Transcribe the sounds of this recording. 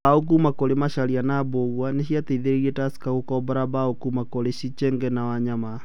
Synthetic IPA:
aok̬umakoɾemaʃaɾianaboɣwaneʃiatɛiðeɾeɾiɛtasi̥kaɣokɔbaɾabaokumakoɾeʃit͡ʃɛŋɡɛnawaɲama

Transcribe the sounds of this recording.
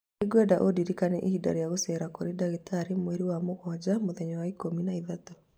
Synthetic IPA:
eɡwadaʔodiɾikanɛ̰ʔihida̰ɾijaɣosɛɾakoɾedaɣetaɾimweɾiwamoɣɔd͡ʑamoðɛɲɔwaikominaiðatɔ

